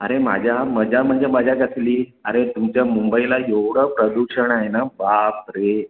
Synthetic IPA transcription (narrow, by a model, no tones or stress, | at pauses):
əɾema̰d͡ʑʱjaməd͡ʑam̤əɳd͡zeməd͡ʑʱjakəsliːəɾet̪umt͡ɕjamumbəilajewɽ̤əpɾəd̪uɕəɳaɦjenabap̚ɾe